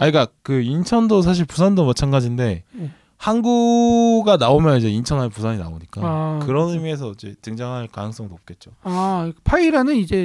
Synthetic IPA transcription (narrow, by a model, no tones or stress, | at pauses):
aɲik͈akɯint͡ɕʰʌndos̬ʰaɕ̬ʰiɭpusʰandomat͡ɕʰanɡad͡ʑinde̞ | hanɡuɡanaomjʌnid͡ʑe̞int͡ɕʰʌnanpusʰaɲina̰oɲik͈akɯɾʌnɯmie̞s̬ʰʌid͡ʑe̞̰tɯŋd͡ʑaŋɦaɭkanɯŋs͈ʌŋnop̚k͈e̞t̚t͡ɕ͈oapʰaiɾanɯnid͡ʑe̞